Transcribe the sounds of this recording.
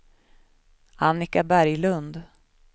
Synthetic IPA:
anːɪkabæɾjlɵnd̪

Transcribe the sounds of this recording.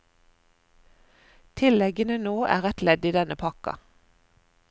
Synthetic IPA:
t̪ʰɪlɛɡənənoːʔæ̰ːʁɛt̪lɛd̪iːd̪ɛnəpʰɑkɑ̰

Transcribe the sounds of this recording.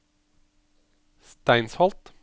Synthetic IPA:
st̪æɪnshɑlt̪

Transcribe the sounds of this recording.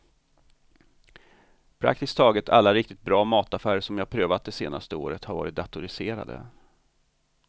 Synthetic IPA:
pʰɾa̰k̚t̪ɪst̪ʰɑːɡət̪ʰa̰lːaɾɪk̚t̪ɪt̪̚bɾɑːmɑːt̪afæːɾəʂɔmjɑːhapʰɾøːvat̪̚d̪ɛsḛːna̰st̪əo̰ːɾət̪haɾvɑ̰ːɾɪt̪̚d̪at̪ʊɾɪseːɾa̰d̪ə̰

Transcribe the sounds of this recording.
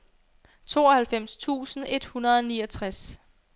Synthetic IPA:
t͡sʰo̝̰ːɒhælfem̰st͡sʰṵːsn̩e̝d̥hunɐð̞ˠɒ̽niːɒt͡sʰʁas

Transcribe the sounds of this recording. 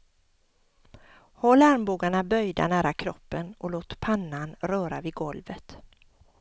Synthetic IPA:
hɔlːaɾmbuːɡaɳabœjd̪a̰næːɾakʰɾɔpːənɔloːt̪pʰanːanɾœːɾavɪd̪ɡɔlvət̪

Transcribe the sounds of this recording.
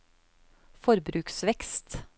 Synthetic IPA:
fɔɾbɾʉːksʋɛkst̪

